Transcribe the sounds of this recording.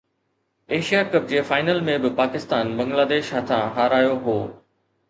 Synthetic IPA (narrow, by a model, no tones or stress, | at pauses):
eːʃijakɐp̚d͡ʑeːfaːɪnəlmẽbɪpaːkɪst̪aːnbɐ̃ŋɡlaːd̪eːʃɦɐt̪ʰãɦaːɾaːjoɦoː